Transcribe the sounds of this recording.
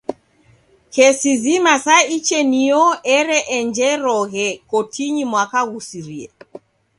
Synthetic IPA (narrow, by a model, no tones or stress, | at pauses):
hɛsizimasait͡ʃɛniɔɛɾɛʔɛnd͡ʒɛɾɔɣɛkɔtʰiɲimwakaɣusiɾiɛ